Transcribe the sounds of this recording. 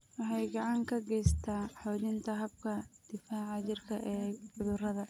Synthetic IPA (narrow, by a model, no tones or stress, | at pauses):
wɑħɑjɡɑʕɑŋkʰɐɡɛjst̪ʰaːħɔːðɪnt̪ʰɐɦɐb̚kʰɐd̪̥ɪfahʕɑt͡ʃɪrkʰɐʔɛːbʊðʊrɐðɐ